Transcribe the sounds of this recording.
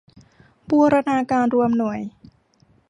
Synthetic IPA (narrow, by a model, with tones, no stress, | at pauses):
buː˧ɾa˧naː˧kaː˧nɾu˧əmnu˨˩˦əj